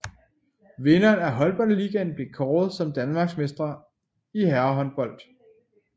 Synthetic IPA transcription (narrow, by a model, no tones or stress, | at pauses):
ʋe̝nɐːnæɦɒ̽lb̥ɒ̽l̰liːɡ̥ænb̥le̝kʰɒːð̩ˠsɒ̽md̥ænmɑ̈ːɡ̥smesd̥ʁɐ | iɦæɐɐɦɒ̽nb̥ɒ̽l̰d̥